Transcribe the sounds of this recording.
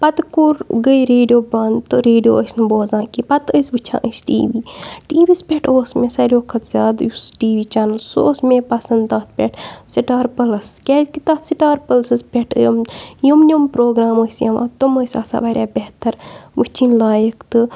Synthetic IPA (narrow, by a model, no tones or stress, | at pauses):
pɐt̪kuɾɡəiɾeːɖijoːbɐnt̪ɨɾeːɖijo̰ːʔəsnɨboːzãːkipɐt̪əsbɨt͡ʃʰã̰ːʔəsʈḭːʋiːʈiːʋispʲeʈʰoːsmẽsɐɾʲoːkʰɐt̪zʲaːd̪jusʈiːʋiːt͡ʃaːnɐlso̰ːsmẽpɐsɐnd̪d̪ãːt̪̚ʰpʲḛʈʰsiʈaːɾpɐlɐskʲeːzkit̪ɐt̪siʈaːɾpəlsɨspʲeʈʰjomjomnʲompɾoːɡɾaːməsjɐʋã̰ːt̪oməsʲa̰ːsa̰ːʋaɾʲjaːbʲeɦt̪ɐɾmɨt͡ʃʰinʲlaːjɐkt̪ɨ